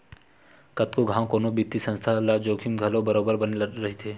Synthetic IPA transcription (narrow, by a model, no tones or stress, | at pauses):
kɐt̪koɡʱãːw̃koːnobit̪isə̃nst̪ʰalad͡ʒoːkʰimɡʱɐlobɐɾoːbəɾbɐnɾɐɦit̪ʰeː